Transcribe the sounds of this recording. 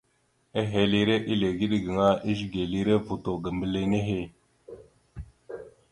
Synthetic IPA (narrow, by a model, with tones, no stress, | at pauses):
e˦ɦe˨li˦ɾe˦ʔi˦le˨ɡi˦ɗɡə˨ŋa˦i˦ʒɡe˨li˦ɾe˦vu˨to˨ɡə˨mbə˨le˦ne˦ɦe˦˨